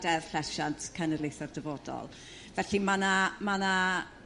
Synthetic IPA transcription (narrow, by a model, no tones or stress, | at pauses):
dɛrfɬlɛʃantʰkʰənərlejθɔrdəvɔdɔ̰lˠ | vɛɬimanamana